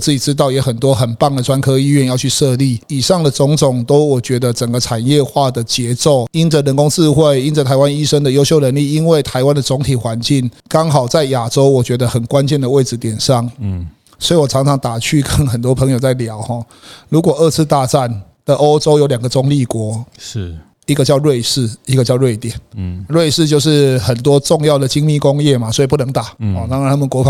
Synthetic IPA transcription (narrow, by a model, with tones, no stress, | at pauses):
t͡sɹ̩˥˩t͡ɕi˨˩ʈ͡ʂɻ̩˥˦t̪̬ɑ˥˩ʊjɛ˧˥xə˨˩nt̪wɔ˦xə˨˩npa˥˩ŋd̪ə˩ʈ͡ʂwa˦nkʰɤ˥i˥˧ɥɛ˥˧njɑ˥˧ʊt͡ɕʰy˥˧ʂɤ˥˧li˥˩i˨˩ʂɑ˥˩ŋd̪ə˩t͡sʊ˧˥ŋt͡sʊ˨˩ŋt̪o˥ʊwɔ˨˩t͡ɕɥɛ˧˥d̪ə˨t͡sə˨˩ŋɡə˩˦ʈ͡ʂʰa˨˩njɛ˥˧xwa˥˩d̪ə˩t͡ɕjɛ˧˥˦t͡so˥˩ʊi˥nd͡zə˨ɻə˧˦nkʊ˦˥ŋt͡sɹ̩˥˧xwe˥˩ɪi˥nd͡zə˨˩t̪ʰa˧˥ɪwa˦˥ni˥ʂə˥ŋd̪ə˨jo˥ʊɕjʊɻə˧˥nli˥˩i˦˥nwe˥˩ɪt̪ʰa˧˥ɪwa˦˥nd̪ə˨t͡sʊ˧˦˥ŋt̪ʰi˨˩xwa˧˦nt͡ɕi˥˩ŋ | kɑ˥ŋxɑ˨˩ʊt͡sa˥˩ɪja˨˩ʈ͡ʂo˦ʊwɔ˨˩t͡ɕɥɛ˧˥d̪ə˧xə˨˩nkwa˦nt͡ɕjɛ˥˨nd̪ə˩we˥˩ɪʈ͡ʂɻ̩˧t̪jɛ˨˩nʂɑ˥˩ŋ | swɔ˧˥i˨˩wɔ˨˩t͡sʰɑ˧˥ŋt͡sʰɑ˧˥ŋt̪a˨˩t͡ɕʰy˥˩kə˦˥nxə˨˩nt̪wɔ˦˥pʰə˧˦ŋjo˨˩ʊt͡sa˥˩ɪljɑ˨˩˦ʊxɔ˥˨ | lu˧˥kwɔ˨˩ə˥˧t͡sʰɹ̩˥˧t̪a˥˧ʈ͡ʂa˥˩n | d̪ə˩ʔo˦˥ʊt͡so˥ʊjo˧˥lja˨˩ŋɡə˩t͡sʊ˧˥ŋli˥˨˩kwɔ˧˥˦ | i˧˦˥ɡə˨˧t͡ɕjɑ˥˧ʊɻwe˥˧ɪʂɻ̩˥˩i˧˥ɡə˨t͡ɕjɑ˥˧ʊɻwe˥˩ɪt̪jɛ˨˩˦nɻwe˥˧ɪʂɻ̩˥˧t͡ɕjo˥˧ʊʂ̬ɻ̩˥˩xə˨˩nt̪wɔ˥ʈ͡ʂʊ˥˧ŋjɑ˥˩ʊd̪ə˨˩t͡ɕi˥ŋmi˥˨kʊ˦ŋjɛ˥˩ma˨˩swɔ˧˥i˨pu˥˩nə˧˥ŋt̪a˨˩ɔ˨˩t̪ɑ˥ŋɻnʰa˥mə˨kwɔ˧˥f